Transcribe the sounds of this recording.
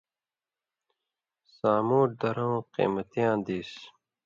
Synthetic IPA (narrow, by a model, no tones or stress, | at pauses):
saːmoːʈ̚d̪ɐɾõːqḭːmʌt̪ijãːd̪iːs